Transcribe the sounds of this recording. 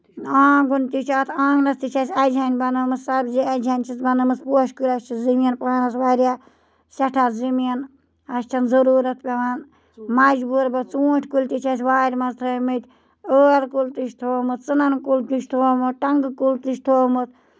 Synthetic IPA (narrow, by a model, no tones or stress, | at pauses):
aːɡunt̪ʲit͡ʃʰat̪ʰãːɡnɐst̪it͡ʃʰasʲɐd͡ʒʱʲanʲbɐnɨmɨssɐbd͡ʒiɐd͡ʒʱʲanʲt͡ʃʰit͡sbɐnɨmɨspoːʃkulʲɐst͡ʃʰizimiɐnpanɐsʋaːɾʲaː | sɐʈʰazimiɐn | ɐst͡ʃʰɐnzɐɾuːɾɐt̪ʰpʲɐʋan | mɐd͡ʒbuːɾbɐt͡sũːʈʲʰkulʲt̪it͡ʃʰasʲʋaːɾʲmɐzt̪ʰəmɨt̪ʰʲ | əːɾkult̪iʃʰt̪ʰoːmɨt̪ʰt͡sɨnɐnkult̪iʃt̪ʰoːmɨt̪ʈɐŋɡkult̪ɨʃt̪ʰoːmɨt̪ʰ